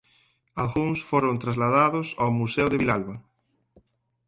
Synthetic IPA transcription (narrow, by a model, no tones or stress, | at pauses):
alɣuŋsfoɾõnt̪ɾazlaðaðʊsawmusewðeβilalβa